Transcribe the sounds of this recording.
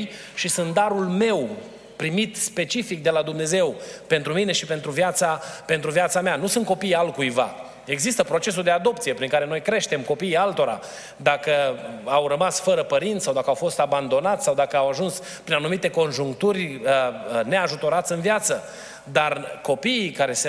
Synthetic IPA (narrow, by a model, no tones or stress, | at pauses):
j | ʃisɨnt̪̚d̪aɾulme̞w | pɾimit̪spe̞t͡ʃifik̚d̪e̞lad̪umne̞ze̞wpe̞nt̪ɾumine̞ʃipe̞nt̪ɾuvjat̪sape̞nt̪ɾuvjat̪sameanusɨnt̪kopijalkujva̰ | e̞ɡzist̪əpɾo̞t͡ʃe̞s̬uld̪e̞ad̪o̞pt̪sije̞pɾiŋkaɾe̞no̞jkɾe̞ʃt̪e̞mko̞piːalt̪o̞ɾa̰ | d̪akəawrəmasfəɾəpəɾint̪sawd̪akəawfo̞st̪aband̪o̞nat̪ssawd̪akəawaʒuns | pɾinanumit̪e̞ko̞nʒuŋkt̪urʲəne̞aʒut̪o̞ɾat̪sʲɨnvjat̪sə | d̪arko̞piːkaɾe̞s